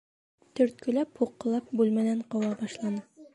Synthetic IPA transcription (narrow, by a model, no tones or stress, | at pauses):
t̪ɵ̆ɾt̪̚kɵ̆læphuqːɤ̆lˠɑp̚bʉlmæd̪æɴqowɑbɑʃlˠɑnɤ